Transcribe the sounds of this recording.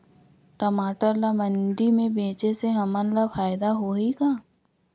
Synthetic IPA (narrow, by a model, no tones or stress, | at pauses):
ʈəmaːʈəɾlamə̃nɖimẽbẽːt͡ʃeseɦɐmənlafaːjd̪aɦoːikaː